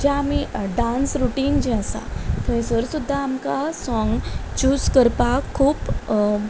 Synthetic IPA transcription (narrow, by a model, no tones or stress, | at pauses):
d͡ʑaamiɖãnsɾuʈiːnd͡ʑɛəsa̰t̪ʰə̃ẽsəɾsud̪ʱːaːmkasɔŋɡt͡ɕuːskəɾpakʰːuːp